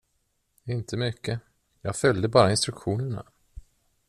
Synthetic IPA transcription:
ɪnt̪ʰəmʏkʰːə | jɑːɡfœljd̪əbɑːɾaɪnst̪ɾɵkɧuːnəɳa̰

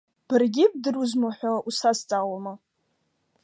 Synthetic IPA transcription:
b̥ɨrɡʲɪb̚dɨruzmaħʷᶣaʔusast͡sʼawama

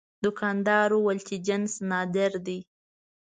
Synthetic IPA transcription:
d̪ʊkɑnd̪ɑɾowalt̪id͡ʒansnɑd̪ɪɾd̪i

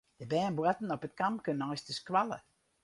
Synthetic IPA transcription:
d̥əbɛːnbwatn̩ɔpət̚kamkønənɔjstəskwalə̰

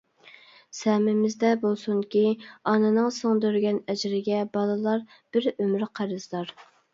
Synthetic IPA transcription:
sɛmɪmɪzd̪ɛbolˠsuŋkʲiɑnɨnɨŋsoŋd̪øɾɡʲɛnɛd͡ʒɾɪɡʲɛbɑlˠɨlˠɑɾ | b̥ɪɾømɾqʰæɾɨzd̪ˠɑɾ

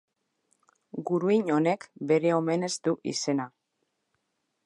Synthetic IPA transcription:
ɡuɾuiɲo̞ne̞kbe̞ɾe̞o̞me̞ne̞zt̪uʔḭse̞na

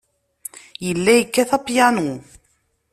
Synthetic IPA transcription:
jəlːæjəkːæθɑpjɑnu

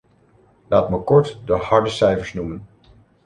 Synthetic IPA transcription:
laːtməkɔɹtdəhɑɹdəsɛjvəɹsnumən

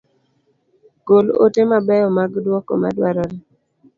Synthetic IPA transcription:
ɡolo̰temabɛjɔmaɡdwɔkɔ̰ma̰dwaɾɔɾe

